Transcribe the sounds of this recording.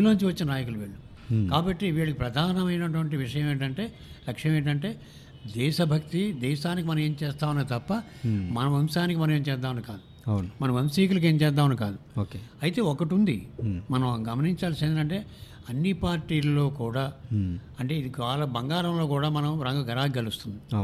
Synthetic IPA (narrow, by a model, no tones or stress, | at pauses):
loːnuɲt͡ʃiʋɐt͡ʃːinɐnaːjɐkuluʋiːɭːu | kaːbɐʈːiʋiːɭɐkipɾɐd̪ʱaːnɐmɐjnɐʈ̬ʋɐɳʈiʋiʂɐjɐme̞ːɳʈɐɳʈe̞ː | lɐkʂɐjɐmeːɳʈɐɳʈe̞ː | d̪ɛːʃɐbʱɐkt̪id̪ɛːʃaːnik̬imɐnɐ̃me̞ːmt͡ʃɛːst̪aːʋunːaːt̪ɐpːɐ | mɐnɐmɐmsaːnikimɐnɐmeːmt͡ʃɛːd̪ːaːmɐnkaːd̪u | ɐwnumɐnɐ̃mɐmsiːkulɐk̬e̞ːɲt͡ʃɛːd̪ːaːmnukaːd̪uoːkeɐjit̪e̞ːɔkɐʈund̪imɐnɐmɡɐmɐniɲt͡ʃaːlsind̪nɐɳʈe̞ː | ɐnːipaːɾʈːiːlɐlo̞ːkuːɽaː | ɐɳʈe̞ːid̪iʋaːlɐbɐŋɡaːɾɐmlo̞ːkuːɽaːmɐnɐmɾɐŋɡɐɡɐɾaːɡɡɐlust̪und̪i